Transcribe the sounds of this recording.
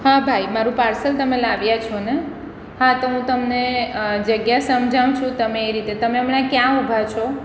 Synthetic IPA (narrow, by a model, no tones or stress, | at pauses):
ɦabʱaimaɾũpaɾsəlt̪əmelaʋjat͡ʃʰone | hat̪oɦũt̪əmned͡ʒəɡjasəmd͡ʒʱaw̃t͡ʃʰũt̪əmeːɾit̪et̪əmeəmɳakjãubʱat͡ʃʰo